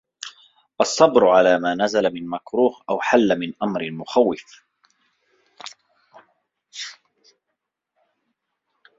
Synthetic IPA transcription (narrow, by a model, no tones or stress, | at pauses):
ʔɑsˤːɑbɾʊʕalaːmaːnazalamɪnmakɾuːhʔawħalːamɪnʔamɾɪlmʊxawːɪf